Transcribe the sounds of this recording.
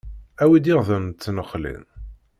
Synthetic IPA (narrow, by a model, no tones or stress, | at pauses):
æwid̪ɪʁðəmːnəχːlḭn